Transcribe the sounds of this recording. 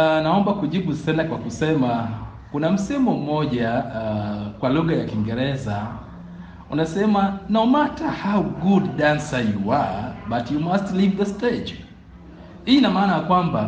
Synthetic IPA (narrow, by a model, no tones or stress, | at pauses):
naɔmbakuʄibusɛnakwakusɛma | kunam̩sɛmɔm̩mɔɟa | kwaluɣajakiŋɡɛɾɛza | unasɛmanomatahawɡudːãnsajuabatʰjumastlivðəsted͡ʒ | hiinamaːnajakwamba